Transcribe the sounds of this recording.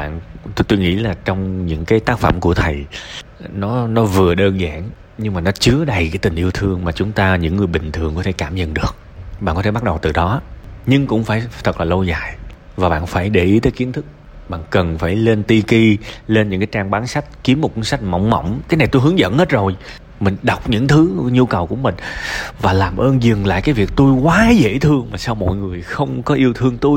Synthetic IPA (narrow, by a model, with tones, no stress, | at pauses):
ɓa̰ː˧˨n˧t̪o˧jŋḭ˧˥laː˨˩t͡ɕɔ˧wŋ͡mɲɨ̰˧˥ŋkaː˨˦jt̪aː˦˥k̚fə̰˧˩mku˧˩ət̪ʰə˨˩j | nɔ˨˦nɔ˨˦vɨ˨˩əɗəː˧nza̰ː˧˨n | ɲɨ˧ŋmaː˨˩nɔ˨˦t͡ɕɨ˨˦əɗə˧jkaː˨˦jt̪ï˨˩ŋ̟ʔi˧əwt̪ʰɨ˧əŋmaː˨˩t͡ɕʊ˨˦ŋ͡mt̪aː˧ɲɨ̰˧˥ŋːɨ˨˩əjɓï˨˩ŋ̟t̪ʰɨ˨˩əŋkɔ˨˦t̪ʰe˧˩kaː˧˩mɲə̰˧˨nɗɨ˨˩ək̚ | ɓaː˧˨kɔ˦˥e˧˩ɓt̚ɗə˨˩wt̪ɨ˨˩ɗɔ˨˦ɲɨ˧ŋkʊ̰˧˥ŋ͡mfaː˧˩jt̪ʰə˨˩k̚laː˨˩lə˧wza̰ː˧˨j | vaː˨˩ɓa̰ː˧˨nfaː˧˩jɗe˧˩ʔi˨˦t̪əː˨˦jki˨˦ənt̪ʰɨ˦˥k̚ | ɓa̰ː˧˨nkə˨˩nfaː˧˩jle˧nt̪i˧ki˧le˧nɲɨ̰˧˥ŋkaː˨˦jt͡ɕaː˧ŋɓaː˨˦nsa˦˥jk̟̚ki˨˦əmː˨˩t̚kwu˧nsa˦˥jk̟̚ma̰˧˩wŋ͡mmə̰˧˩wŋ͡mkaː˨˦jn˨˩jt̪u˧jɦɨ˨˦əŋzə̰˧˨nhe˦˥t̚zo˨˩j | mï˨˩ŋ̟ɗa˨˩wk͡p̚ɲɨ̰˧˥ŋt̪ʰɨ˨˦ɲu˧kə˨˩wku˧˩əmï˨˩ŋ̟vaː˨˩laː˨˩mʔəː˧nzɨ˨˩ŋla̰ː˧˨jkaː˨˦jvi˨˩ək̚t̪u˧jkwaː˨˦zḛ˧˥t̪ʰɨ˧əŋmaː˨˩saː˧wmɔ̰˧˨jŋɨ˨˩əjxə˧wŋ͡mkɔ˨˦ʔi˧əwt̪ʰɨ˧əŋt̪u˧j